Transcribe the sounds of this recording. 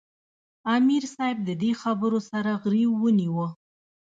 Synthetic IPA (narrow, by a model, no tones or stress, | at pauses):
ɑmiɾsɑjb̚d̪əd̪exabəɾosaɾaɣɾiwːəniwə